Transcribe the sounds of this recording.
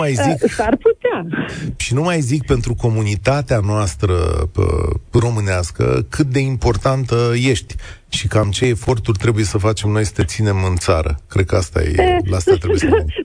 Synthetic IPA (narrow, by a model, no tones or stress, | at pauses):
majziksarput̪eaʃinumajzik̚pe̞nt̪ɾuko̞munit̪at̪eanoast̪ɾə̰ | ro̞mɨneaskə̰kʰɨt̪̚d̪e̞impo̞rt̪ant̪əje̞ʃt̪ʲ | ʃikamt͡ʃe̞ːfo̞rt̪urʲt̪ɾe̞buje̞səfat͡ʃe̞mno̞jsə̥t̪e̞t̪sine̞mɨnt̪sa̰ɾə̰kɾe̞d̪̚kəast̪a̰jḛlast̪at̪ɾejes